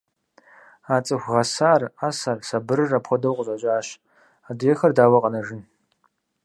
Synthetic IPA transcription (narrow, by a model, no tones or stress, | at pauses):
aːt͡sʼɨxʷʁɐsaːrasaːrsɐbɨrɨrapχʷɔdɐwqʷʼʊɕʼɐt͡ʃʼaːɕ | aːdjɛxɐrdaːwɐqʼɐnɐʒɪn